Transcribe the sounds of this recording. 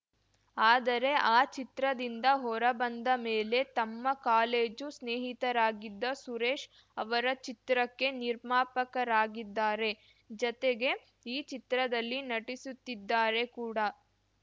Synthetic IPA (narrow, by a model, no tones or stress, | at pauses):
aːd̪ɐɾe̞ʔaːt͡ʃit̪ɾɐd̪ind̪ɐɦɔɾɐbɐnd̪ɐmeːle̞t̪ɐmːɐkaːleːd͡ʒusneːɦit̪ɐɾaːɡid̪ːɐsuɾeːʂ | ɐʋɐɾɐt͡ʃit̪ɾɐkːe̞niɾmaːpɐkɐɾaːɡid̪ːaːɾe | d͡ʒɔt̪eɡe̞ | iːt͡ʃit̪ɾɐd̪ɐlːinɐʈisut̪ːid̪ːaːɾe̞kuːɽɐ